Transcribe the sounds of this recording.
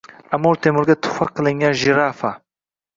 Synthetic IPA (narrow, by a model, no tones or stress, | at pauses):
amːɔɾt̪ʰemʊɾɡʲat̪ʰʊ̥χfɑqʰɨlˠɪŋɡʲanʒɪɾafa